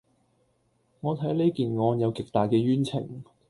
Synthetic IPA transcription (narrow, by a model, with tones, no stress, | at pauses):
ŋɔː˨˧t̪ʰɐ˨˥jle˥jkiː˨˩nŋɔː˨˧njɐ˨˧wkɪ˨k̚t̪aː˨jkɛː˧ɥyː˥nt͡sʰɪ̰˨˩ŋ